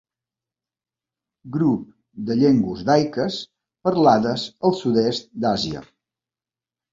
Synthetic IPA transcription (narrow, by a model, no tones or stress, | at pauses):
ɡɾup̚ | d̪əʎeŋɡwuzd̪ajkəs | pəɾlaðəzəlˠsud̪est̪̚d̪aziə̰